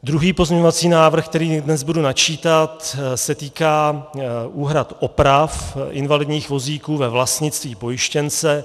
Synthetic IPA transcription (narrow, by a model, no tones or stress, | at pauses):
d̪ɾuɦiːpo̞zmɲɛɲo̞vat͡siːnaːvr̩xkt̪ɛɾiːdnɛzbudunat͡ʃiːt̪at̪sɛt̪iːkaːʔuːɦɾat̪ʔo̞pɾafʔɪ̰nvalɪd̪ɲiːxvo̞ziːkuːvɛvlast̪ɲɪt͡st̪viːpo̞jɪʃcɛnt͡sɛ